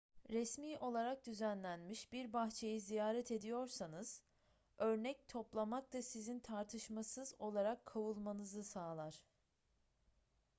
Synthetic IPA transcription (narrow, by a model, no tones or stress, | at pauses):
ɾɛsmiːʔo̞lˠaɾak̚d̪yzænlʲænmiʃbiɾbaxt͡ʃʰe̞jizijaːɾɛt̪ʰe̞d̪ijo̞ɾsanɯz̥ | ø̞ɾnɛc̚t̪ʰo̞plˠamakt̪asizint̪ʰaɾt̪ʰɯʃmasɯzo̞lˠaɾakʰːavulˠmanɯzɯsaːlˠaɾ̥